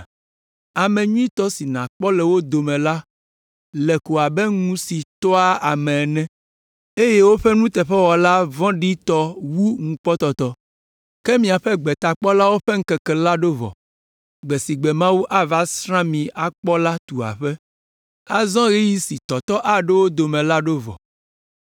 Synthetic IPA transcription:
a˨mɛ̃˨ɲũ˦ĩ˦t̪ɔ˦si˨nã˨k͡pɔ˦lɛ˨wo˦d̪o˨mɛ̃˨la˦ | lɛ˨ko˨a˨bɛ˦ŋũ˦si˨t̪ɔ˦a˦a˨mɛ̃˨nɛ̃˦ | e˦je˦wo˦ɸɛ˦nũ˦t̪ɛ˨ɸɛ˦wɔ˨la˦vɔ̃˦ɖi˦t̪ɔ˦wu˦ŋũ˨k͡pɔ˦t̪ɔ˦t̪ɔ˦ | kɛ˦mĩ˨a˨ɸɛ˦ɡ͡bɛ˨t̪a˨k͡pɔ˦la˦wo˦ɸɛ˦ŋ̩˦kɛ˨kɛ˨la˦ɖo˦vɔ̰˨ | ɡ͡bɛ˨si˨ɡ͡bɛ˨mã˦wu˦ʔa˦va˦sɾã˦mĩ˨a˨k͡pɔ˦la˦t̪u˨a̰˨ɸɛ˦ | a˦zɔ̃˦ɣi˦ji˦si˨t̪ɔ˨t̪ɔ˦ʔa˦ɖe˦wo˦d̪o˨mɛ̃˨la˦ɖo˦vɔ̰˨

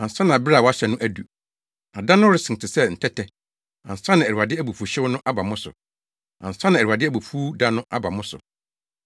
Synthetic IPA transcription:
ã˨n̩˨sa˦nã˨bɪ˦ɾa˦˨wɔ˦a˦ɕɛ˨nʊ̃˦ʔæ˦du˨ | a˨dã˦nʊ̃˦ɾɪ˨sɪ̃˨n˨tʰɪ˨sɛ˦n̩˨tʰɛ˦tʰɛ˨ | ã̰˨n̩˨sã˦nã˨æ˨ɾu˨a˨dɪ˦æ˦bu˨fu˨ɕɪ˦wnʊ̃˦ʔa˦ba˨mʊ̃˦sʊ̰˨ | ã̰˨n̩˨sã˦nã˨æ˨ɾu˨a˨dɪ˦æ˦bu˨fu˦dã˦nʊ̃˦ʔa˦ba˨mʊ̃˦sʊ̰˨

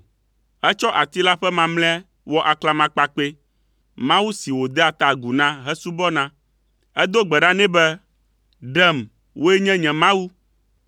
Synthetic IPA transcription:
ɛ˦t͡ʃɔ˦ʔa˨t̪i˦la˦ɸɛ˦mã˨mlɛ̃˦ | wɔ˦ʔa˨kla˨mã˨k͡pa˨k͡pe˦ | mã˦wu˦si˨wo˨d̪ɛ˦a˨t̪a˨ɡu˨nã˦ɦɛ˦su˦bɔ˦nã˦ | ɛ˦d̪o˦ɡ͡bɛ˨ɖa˦nɛ̃˦bɛ˦ | ɖɛ˦m | wʔo˦e˦ɲɛ̃˦ɲɛ̃˨mã˦wu˦

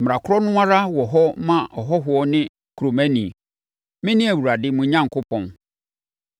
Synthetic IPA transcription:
m˨ɾã˨kʰʊ˦ɾɔ˦nʊ̃˦a˦ɾa˦wɔ˨ɦɔ˦mã˦˨ʔɔ˨ɦɔ˦ɦʊ˨ɔ˦nɪ̃˦ | kɾo˨mɛ̃˦nĩ˨ | mɪ̃˦nɪ̃˦æ˨wu˨ɾa˨dɪ˦mʊ̃˨ɲã˦˨ŋ̩˨kʊ˦pʰɔ̃˨n

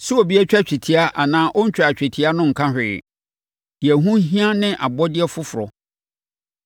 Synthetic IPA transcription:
sʊ˦o˨bi˦ɛ˦t͡ɕᶣɛ˦t͡ɕᶣi˨tʰi˦a˦ʔa˨nãː˦ʔɔ˦ɲ̩˦t͡ɕᶣa˨t͡ɕᶣɛ˨tʰi˦a˦nʊ̃˦ŋ̩˨kʰã˦hᶣɪ̰˨ | dɪ˨ɛ˨ɦũ˦ɦĩ˦ã˦nɪ̃˦ʔa˨bɔ˦dɪ˦ɛ˦fʊ˦fʊ˨ɾɔ̰˨

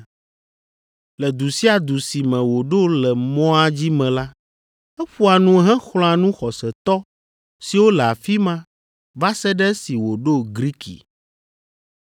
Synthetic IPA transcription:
lɛ˨d̪u˨si˦a˨d̪u˨si˨mɛ̃˨wo˨ɖo˦lɛ˨mɔ̃˦a˦d͡ʑi˦mɛ̃˨la˦ | ɛ˦ɸu˦a˨nũ˨˦ɦɛ̃˦xl̃ɔ̃˨˦a˨nũ˦xɔ˨sɛ˨t̪ɔ˦ | si˨wo˦lɛ˨a˨fi˦mã˦ | va˦sɛ˦ɖɛ˦si˨wo˨ɖo˦ɡɾi˦kḭ˨

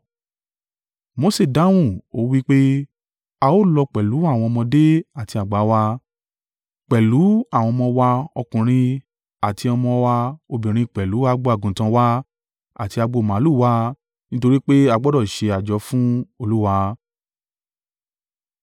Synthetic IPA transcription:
mo˧˦se˦˨da˨˦w̃ũ˦˨o˦wi˦k͡pe˦ | a˧o˦lɔ˧k͡pɛ˨lu˨˦a˦˨w̃ɔ̃˧ɔ˧mɔ̃˧de˦a˨ti˧a˨ɡ͡ba˨˦wa˧ | k͡pɛ˨lu˨˦a˦˨w̃ɔ̃˧mɔ̃˧wa˧ɔ˧kũ˨ɾ̃ĩ˧ | a˨ti˧ɔ˧mɔ̃˧wa˧o˧bĩ˨ɾ̃ĩ˧k͡pɛ˨lu˨˦a˦˧˦ɡ͡bo˦a˦˨ɡũ˨˦tã˧wa˦ | a̰˦˨ti˧a˧ɡ͡bo˧˨mã˨˦lu˦˨˦wa˧ | nĩ˦to˧ɾi˦k͡pe˦a˧ɡ͡bɔ˦dɔ˦˨ʃe˧a˨d͡ʒɔ˨˧˦fũ˦o˧˨lu˦wa˧

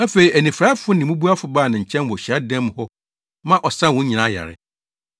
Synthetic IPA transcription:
æ˦fe˨i˨ʔæ˨nĩ˨fɾa˦fʊ˦nɪ̃˨mũ˦bu˦a˦fʊ˨baː˦˨nã˨ɲ̩˨t͡ɕʰɛ̃˦n˨wɔ˨ɕa˦dɛ̃˦mhɔ˦ | mã˦ʔɔ˨sã˦˨wʊ̃˦ɲĩ˨nã˨˦˨ja̰˨ɾɪ̰˨

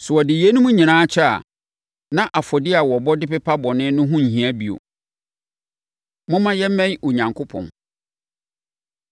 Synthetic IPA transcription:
sʊ˨ɔ˨dɪ˨je˦nʊ̃˦mũ˦ɲĩ˨nãː˦t͡ɕʰᶣɛ˦a̰˨ | nã˦ʔa˨fɔ˨dɪ˦a˨wɔ˨bɔ˦dɪ˦pɛ˦pʰa˦bɔ˨nɪ̃˦nʊ̃˦ɦʊ̃˦ɲ̩˨ɦĩ˨æ˦bi˨o̰˨ | mʊ̃˦mã˦jɛ˦m˦mɛ̃˦ɲo˨ɲã˨ŋkʰo˦pʰɔ̰̃˨n

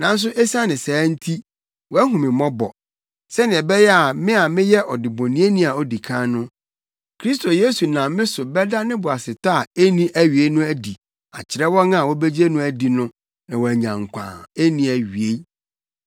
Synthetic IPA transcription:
nã˨n̩˦s̬ʊ˦ʔɛ˦sã˦nɪ̃˨sɛː˨˦n̩˦tʰi˦ | wɔ˨æ˦ɦũ˨mɪ̃˨mɔ̃˦bɔ̰˨ | sɛ˦nɪ̃˨ɛ˨bɛ˦jɛ˦a˨mɪ̃˦a˨mɪ̃˦jɛ˦ʔɔ˨dɪ˨bõ˨nĩ˦e˦nĩ˦a˨ɔ˦di˨kʰã˦nʊ̃˦ | kʰɾi˦s̬tʰo˨je˦su˨nã˨mɪ̃˦sʊ˨bɛ˦da˦nɪ̃˦bʊ˨a˨sɪ˨tʰa˦˨e˦nĩ˦ʔæ˦ɥi˨e˦nʊ̃˦æ˦di˨ | a̰˨t͡ɕʰɪ˨ɾɛ˦wɔ̃˦nã˦a˨wɔ˦be˦d͡ʑi˦e˦nʊ̃˦æ˦di˨nʊ̃˦ | nã˨wɔ˨æ˨ɲã˨ŋ̩˨kʷʰã̰ː˨e˦nĩ˨æ˨ɥi˨e˦

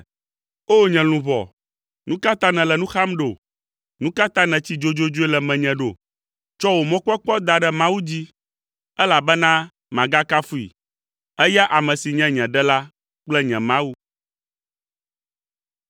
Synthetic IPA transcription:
o˦ɲɛ̃˨l̃ũ˨βɔ̰˨ | nũ˦ka˦t̪ã˦nɛ̃˨lɛ˨nũ˦xa˦mɖo˨ | nũ˦ka˦t̪ã˦nɛ̃˨t͡ɕi˦d͡ʒo˦d͡ʒo˦d͡ʒo˦e˦lɛ˨mɛ̃˨ɲɛ̃˨ɖo˨ | t͡ʃɔ˦wo˨mɔ̃˦k͡pɔ˦k͡pɔ˦d̪a˨ɖɛ˦mã˦wu˦d͡ʑi˦ | ɛ˦la˨bɛ˦nã˦ | mã˨ɡa˦ka˦fu˦ḭ˨ | ɛ˦ja˦ʔa˨mɛ̃˨si˨ɲɛ̃˦ɲɛ̃˨ɖɛ˦la˦ | k͡plɛ˦ɲɛ̃˨mã˦wu˦

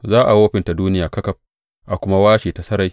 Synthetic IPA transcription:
zaː˦ʔa˨woː˦ɸɪ˨nta˨duː˦nɪ˦jaː˨kɐ˦kɐ˨ɸ̚ | ʔa˨kʷʊ˦ma˦waː˦ʃeː˨ta˨sɐ˦ɾa˨˦j

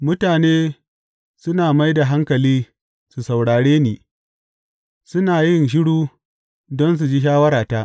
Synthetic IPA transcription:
mʊ˦taː˨neː˦ | sʊ˦naː˨ma˦jda˨ɦa˦ŋkɐ˨liː˦ | su˨sa˨wɽaː˨ɽeː˦niː˨ | sʊ˦naː˨jɪ˦nʃ̬ɪ˦ɽuː˦ | dɔ˦ns̬u˨d͡ʒiː˦ʃ̬aː˦wɐ˦ɾaː˨ta˦ʔ

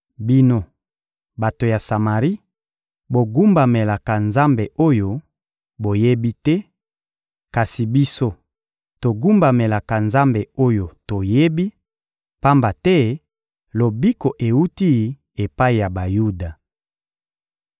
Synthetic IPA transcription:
bi˦no˦ | ba˨to˨ja˨sa˨ma˨ʁi˦ | bo˨ɡu˦mba˨me˨la˨ka˨nza˦mbe˨ʔo˦jo˦ | bo˨je˦bi˦tɛ˦ | ka˨si˨bi˦so˦ | to˨ɡu˦mba˨me˨la˨ka˨nza˦mbe˨o˦jo˨to˨je˦bi˦ | pa˦mba˨tɛ˦ | lo˨bi˦ko˨ʔe˨u˦ti˦˨ | e˨pa˦i˨ja˨ba˨ju˦da˨

